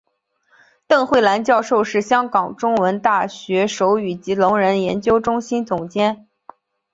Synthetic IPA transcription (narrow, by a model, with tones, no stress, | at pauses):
t̪ɤ˥˧ŋxwe˥˩ɪla˧˥nt͡ɕjɑ˥˧ʊʂo˥˧ʊʂɻ̩˥˩ɕjɑ˥ŋkɑ˨˩ŋʈ͡ʂʊ˥ŋwə˧˥nt̪a˥˩ɕɥɛ˧˥ʂo˧˥ʊy˨˩t͡ɕi˧˥lʊ˧˥ŋɻə˧˥njɛ˧˥nt͡ɕjo˥ʊʈ͡ʂʊ˥ŋɕi˥nt͡sʊ˨˩ŋt͡ɕjɛ˥n